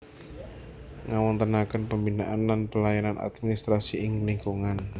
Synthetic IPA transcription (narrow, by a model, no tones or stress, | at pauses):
ŋawɔnt̪ənakənpəmbinaʔanlanpəlajanana̰t̪̚minist̪ɾasiʔɪŋliŋkuŋan